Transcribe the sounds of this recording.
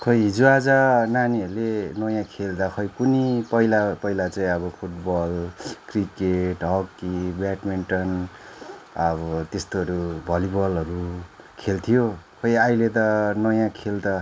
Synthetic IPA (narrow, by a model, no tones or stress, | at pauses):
kʰʌjɦid͡zuad͡zananiʌɾulenʌjãkʰeld̪akʰʌjkunipʌjlapʌjlat͡saĩʌbʌpʰuʈbʌlkrikeʈɦʌkːibaʈmiɳʈʌn | ʌbʌt̪est̪oɦʌɾubʱʌlibʌlɦʌɾu | kʰelt̪ʰijokʰʌjajlet̪̬ʌnʌjãkʰeld̪a